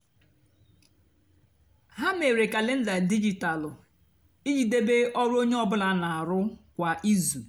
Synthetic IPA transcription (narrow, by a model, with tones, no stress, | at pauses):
ɦa˦me˨ɾe˨ka˨le˦n̩˦da˨di˦d͡ʒi˨ta˨lʊ˨ | i˦ɲi˨de˦be˦ʔɔ˦ɾʊ˦o˦ɲe˦ɔ˦bʊ˦la˦na˨a˨ɾʊ˦kʷa˨ʔi˦zu˨